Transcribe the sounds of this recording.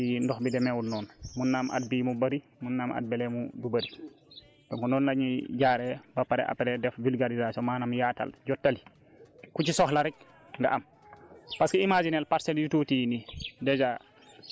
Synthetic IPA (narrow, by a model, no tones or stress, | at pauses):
indɔxbidɛmɛwudnɔːnmunːaːmʔa̰t̚bimubaɾi | munːamʔa̰t̚bɛlɛmudubaɾi | tɔŋkɔnɔːnlaɲiɟaːɾɛbapaɾɛ̰ʔa̰pːɛɾɛdɛfvulɡaɾizasiɔmaːnamjaːta̰lɟɔtːali | kut͡ʃisɔxlaɾɛk̚ | ŋɡa̰ʔam | paskiimad͡ʒinɛlpaɾsɛljututijnidɛd͡ʒa